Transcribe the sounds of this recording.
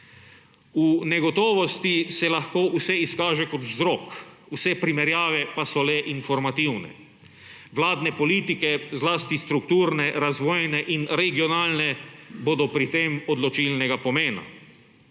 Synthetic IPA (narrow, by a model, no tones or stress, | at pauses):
unɛɡɔt̪ɔːʋɔst̪isɛlaxkoːʔusɛiskaːʒɛkɔt̪zɾɔːk | usɛpɾimɛɾjaːʋɛpasɔlɛʔinfɔɾmat̪iwnɛ̰ | ʋlaːd̪nɛpɔliːt̪ikɛzlaːst̪ist̪ɾuk̚t̪uːɾnɛɾazʋɔːjnɛʔinɾɛɡiɔnaːlnɛboːd̪ɔpɾit̪eːmɔd̪lɔt͡ʃilnɛɡapɔmeːna̰